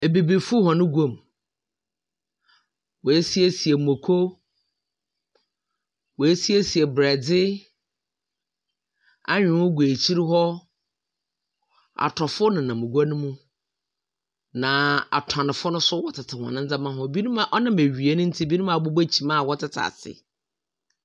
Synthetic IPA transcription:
e˨be˨bi˨fʊ˦hɔ̃˨nʊ̃˦ɡʷo˨m˨ | wɔ˨e˦si˦e˦si˨e˨mo˨kʰo˦ | wɔ˨e˦si˦e˦si˨e˨bɾɛ˨dɪ˦ | a̰˦ɲᶣɪ̃˨wʊ˦ɡu˨e˨t͡ɕʰi˦ɾi˦ɦɔ˦ | a̰˨tʰɔ˨fʊ˦nʊ̃˨nã˨mʊ̃˨ɡa˦nʊ̃˦mũ˦ | nã˨a̰˨tʰã˨nɪ̃˨fʊ˦nʊ̃˦sʊ˦wɔ˦tʰɪ˨tʰɪ˨hɔ̰̃˨nɪ̃˦n̩˦d͡zã˦mã˦ɦɔ̃˦bi˦nũ˦mã˨ʔɔ˦nã˦me˨ɥi˨e˦nʊ̃˦n̩˦tʰi˦bi˦nũ˦mã˨bo˦ba˦t͡ɕʰi˨mã˦˨wɔ˦tʰɪ˦˨tʰa̰˨sɪ̰˨

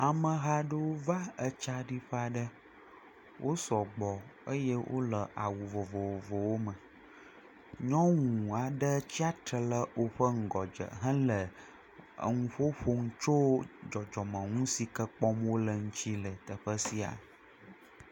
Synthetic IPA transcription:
a˨mə̃˨ɦa˦ɖə˦wo˦va˦ə˦t͡ʃa˦ɖi˦ɸə˦a˨ɖə˦ | wʔo˦sɔ˨ɡ͡bɔ˨ə˦jɛ˦wʔo̰˦lə˨ʔa˨wu˨vɔ˨vɔ˨wo˨vɔ˨wo˦mə̃˨ | ɲɔ̃˦ŋũ˨a˨ɖə˦t͡ɕi˦a˦t̪ɾə˨lə˦wo˨ɸə˦ŋ̩˨ɡɔ˨d͡ʒə̰˨ɦə̃˦lə̰˨ | ŋũ˦ɸo˦ɸo˦ŋu˦t͡ʃo˦d͡ʒɔ˨d͡ʒɔ˨mə̃˨ŋũ˦si˨kə˦k͡pɔ˦mwo˦lə˨ŋũ˦t͡ɕi˦lə˨t̪ə˨ɸə˦si˦a̰˨

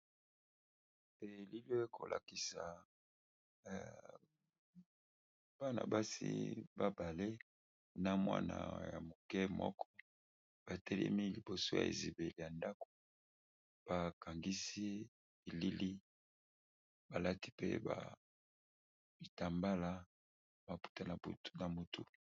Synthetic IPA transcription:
e˨li˦li˦e˦kʰo̰˨lʔa̰˨ki˨sa˨ | ba˦na̰˨ba˦sḭ˦ba˦ba˨le˦ | na˦mwa̰˦na̰˨ja̰˨mo˨kɛ˦mɔ̰˦kʰɔ˦ | b̥a˨tɛ˦lɛ̰˦mi˦li˨bo˨so˦ja̰˨ḛ˨zi˨be˨li˨ja˨nda˦ko̥˨ | b̥a˨ka˨ŋɡi˦si˦ | e˨li˦li˦ | ba˨la˦ti̥˦pḛ˦ba̰˨ | b̥i˨ta˨mba˦la˦ | ba˨pu̥˦ta˦na˨btna˨mo˨tʰṵ˦

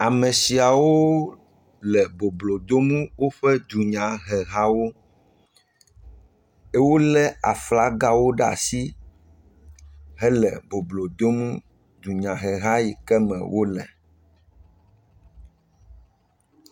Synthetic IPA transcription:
a˨mɛ̃˨si˨a˨wo˦ | lɛ˨bo˨blo˨d̪o˦mũ˦wo˦ɸɛ˦d̪u˨ɲã˨ɦɛ˨ɦa˦wo˦ | e˦wo˦lɛ˦a˨fla˦ɡa˦wo˦ɖa̰˨si˦ | ɦɛ˦lɛ˨bo˨blo˨d̪o˦mũ˦ | d̪u˨ɲã˨ɦɛ˨ɦa˦ji˨kɛ˦mɛ̰̃˨wo˦lɛ̰˨

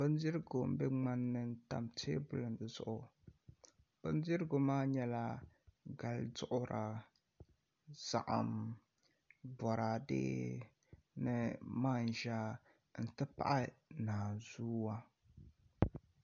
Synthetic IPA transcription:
b̥ɨ˦n˦di˦ɾɨ˦ɡo˨m̩˦bɛ˦ŋ͡ma˦nːɨ˦n̩˦ta̰˨mtʰḛː˦bʊ˦lɨ˨n˨dɨ˨z̥ʊ̰˦˨ʔʊ˨ | b̥ɨ˦n˦zi˦ɾɨ˦ɡo˨maː˦ɲɛ˦la˦ɡa˨lzʊ˦ʔʊ˦ɾʔa˨ | z̥a̰˨ʔa̰˨m | bɔ˨ɾa˨dḛː˦ | nɨ˦maː˦˨n˨ʒa˦ | n̩˨tɨ˦pa̰˦ʔa˦naː˨zuː˦wa˦

